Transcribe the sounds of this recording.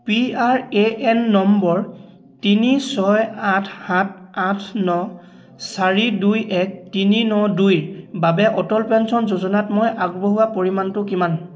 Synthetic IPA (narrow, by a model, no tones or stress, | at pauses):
piaɹeʔɛnːɔmbɔɹ | tinisɔjatʰhat̚ʰatʰnɔ | saɹidujʔɛk̚tininɔdujbabɛʔɔtɔlpɛnsɔnzozɔnatmojʔaɡboɦʊwapoɹimantʊkiman